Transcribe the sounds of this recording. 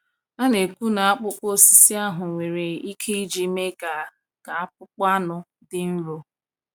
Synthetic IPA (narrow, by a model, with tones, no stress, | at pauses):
a˦ne˨kʷu˦na˨a˦k͡pʊ˦k͡po˦si̥˨˦si˦a˦ɦʊ˨ŋʷe˨ɾe˨i˦kʰe˦i˦d͡ʒi˦me˦ka˨ | ka˨a˦p̚ʊ˦k͡pa˦nʊ˦ | dɪ˦n̩˦lo˨˦